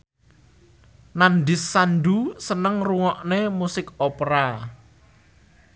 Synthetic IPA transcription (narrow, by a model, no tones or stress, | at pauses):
nanɖɪsːanɖusənəŋruŋɔʔnemusɪkopɾa